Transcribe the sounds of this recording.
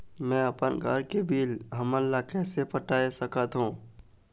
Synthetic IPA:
mɛ̃ɐpənɡʱəɾkebiːlɦɐməlːakɛːsepəʈaːesəkət̪ɦũː

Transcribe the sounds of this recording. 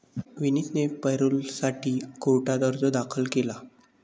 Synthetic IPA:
ʋinit̪nepəjɾulsaʈiːkoʈad̪əɾd͡zɔd̪akʰəlkela

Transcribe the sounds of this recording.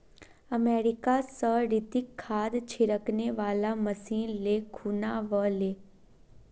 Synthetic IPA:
əmeːɾɪkasəɾɪt̪ɪkʰːaːd̪t͡ʃʰɪɾəkneʋaːlaməsiːnlekʰuːnaʋəleː

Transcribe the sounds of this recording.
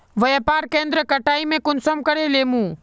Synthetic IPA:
ʋɐepaːɾkẽːnd̪ɾəkɐʈaːimẽkʊnsəmkɐɽeleːmũː

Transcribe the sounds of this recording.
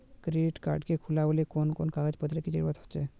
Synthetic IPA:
kɾiɖiʈka̰ɾɖkekʰulabolikonkonkaɡad͡ʑpot̪iɾekid͡ʑḭɾbat̪ɦo̥ːt͡ʃʰe

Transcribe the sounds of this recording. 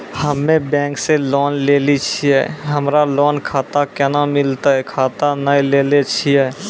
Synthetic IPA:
həmːẽbɛ̃ːŋkselɔːnleːlit͡ʃʰiɛ̰ːɦəmɾalɔːnkʰaːt̪akɛnamɪlt̪aɦɛkʰaːt̪anəjleːlet͡ʃʰiɛː

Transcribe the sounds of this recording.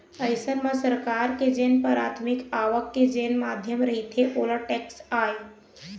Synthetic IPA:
əɪsənmə̃səɾkaːɾked͡ʒeːnpəɾaːt̪ʰmɪkaːʋəkːed͡ʒeːnmaːd̪ʱjəmɾɐɦit̪ʰeʔoːləʈɛːksaːe

